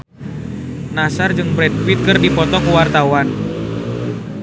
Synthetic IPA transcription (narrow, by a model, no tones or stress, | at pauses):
nasard͡ʒɨŋbɾɛd̚fit̪̚kɨrdipɔt̪ɔkuwart̪awan